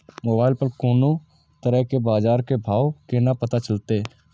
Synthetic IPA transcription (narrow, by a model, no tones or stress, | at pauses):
moːbaːɪlpəɾkoːnõ | t̪əɾəɦkebaːd͡ʒaːɾkebʱaːwkenapət̪at͡ʃəlt̪e